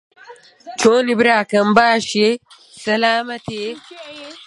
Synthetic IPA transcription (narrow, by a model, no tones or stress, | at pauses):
t͡ʃʰoːnibɾaːkɐmbaːɕi | sɐlaːmɐt̪i